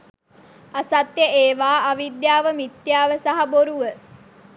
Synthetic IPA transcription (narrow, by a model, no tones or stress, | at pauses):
asat̪jəʔeːʋaːaʋid̪jaːʋəmit̪jaːʋəsaɦaboɾuʋə